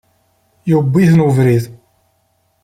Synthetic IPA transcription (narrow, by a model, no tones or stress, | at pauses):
jubːiθnəvɾið